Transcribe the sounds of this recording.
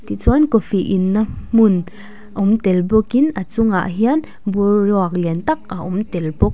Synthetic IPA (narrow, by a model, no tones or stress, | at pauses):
t̪it͡sɔnkofiʔinːamun | ʔaumt̪ɛlbokinʔat͡suŋa̰ʔɦiən | buɾɔak̚lint̪ak̚ʔaʔumt̪ɛlbok̚